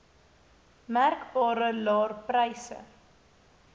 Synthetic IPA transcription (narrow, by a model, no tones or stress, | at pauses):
mærkbɑːɾəlɑːrprɛjsə̰